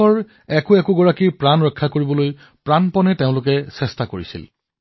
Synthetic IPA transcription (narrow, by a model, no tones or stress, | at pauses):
ɔɹ | ɛkʊɛkʊɡɔɹakiɹpɹanɹɔkʰːakoɹibɔloj | pɹanpɔnɛteʊ̃lʊkɛsɛstakoɹḭsḭl